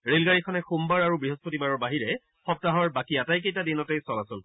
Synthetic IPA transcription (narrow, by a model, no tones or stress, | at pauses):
ɹelɡaɹikʰɔnɛxumbaɹaɹubɹiɦospotibaɹɔɹbaɦiɹɛ | xɔp̚taɦɔɹbakiatajk̬ejtadinɔtejsɔlasʊn